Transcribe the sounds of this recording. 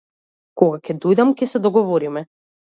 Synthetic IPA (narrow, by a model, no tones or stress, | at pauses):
kɔɡakʲɛd̪ɔjd̪amkɛsɛd̪ɔɡɔvɔɾimɛ